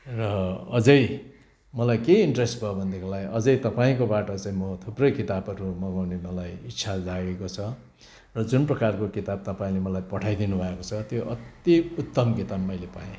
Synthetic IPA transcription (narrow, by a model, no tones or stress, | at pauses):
rʌʌd͡zʌj | mʌlajkeiɳʈresʈbʱʌbʱʌnd̪ekolaɡʌd͡zʌjt̪ʌpaĩkobaʈʌt͡saĩnmʌt̪ʰuprʌjkit̪abʌɾumʌɡawnemʌlajitːsʰad͡zaɡekot͡sʰʌ | rʌd͡zunprʌkarkokit̪ab̚t̪ʌpaĩlemʌlajpʌʈʰajd̪inubʱʌekot͡sʰʌt̪joʔʌt̪iut̪ːʌmkit̪abmʌjlepa̰ẽ